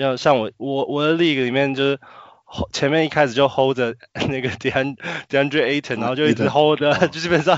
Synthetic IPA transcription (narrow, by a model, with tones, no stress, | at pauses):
jɑ˥˧ʊɕjɑ˥˩ŋwɔ˨˩wɔ˨˩wɔ˨˩d̪ə˦li˥˩ɡə˨li˨˩mjɛ˥˧nt͡ɕjo˥˧ʊʂ̩˥˩ | o˥t͡ɕʰjɛ˧˥nmjɛ˥˧˦ni˥˩kʰa˥ɪʂɻ̩˨˩t͡ɕjo˥˧ʊxo˥˧ʊdə˨na˥˩ɡə˩t̪a˥˦nt̪i˨˩a˥ndɹe˥ɪe˥ɪt̪ʰə˨˩nã˧˥˧t͡ɕo˥ʊi˥˧˩xo˥˧ʊd̪ə˨t͡ɕjo˥˧t͡ɕi˥˩pə˨˩nʂɑ˥˧ŋ